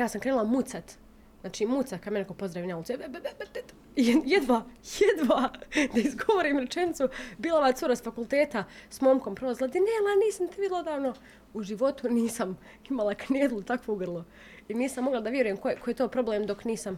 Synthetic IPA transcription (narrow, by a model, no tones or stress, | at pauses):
jaːsamŋkɾeːnulˠamut̪sat̪ | znaːt͡ʃiːmut̪sat̪kad̪menekopo̞zd̪ɾaʋineaulˠsbebebebebe | jjed̪ʋajed̪ʋaːd̪aizɡo̞ʋoɾiːmɾet͡ʃenit̪subiːlˠaʋaːsuɾasfakulˠt̪eːt̪asmoːmko̞mpɾolzilad̪inelaniːsamt̪iʋilˠod̪aːʋno | uʒiʋo̞t̪uniːsam | imalˠakneːd̪lˠut̪akʋoɡr̩lˠo | iniːsamːo̞ɡlˠad̪aʋje̞ɾujemkojekojet̪oːpɾo̞bleːmd̪o̞kniːsam